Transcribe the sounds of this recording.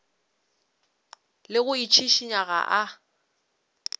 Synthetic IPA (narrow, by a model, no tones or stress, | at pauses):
lɪɣʊit͡ʃʰiʃiɲaɣa̰ʔa